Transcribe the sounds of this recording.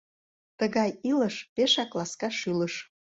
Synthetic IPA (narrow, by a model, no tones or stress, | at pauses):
t̪əɣɑjiləʃpeʃɑklɑskɑʃyləʃ